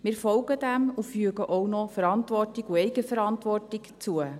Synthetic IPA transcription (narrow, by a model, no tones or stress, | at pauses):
mɪːɾfɔlɡədæmufyəɡəʔownɔfəɾɑntʋɔrtɪɡuɛjɡəfəɾɑntʋɔrtɪkt͡suə